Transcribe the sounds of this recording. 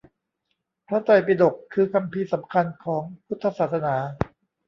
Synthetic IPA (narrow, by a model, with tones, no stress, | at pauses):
pʰɾa˦˥t̪ɔ˨˩jpi˧d̪o˨˩kʰːɯː˧kʰa˧mpʰiː˧sa˩˦mkʰa˧nkʰɔː˩˦ŋpʰu˦˥t̪ʰːa˧saː˨˩t̪̚sa˧naː˩˦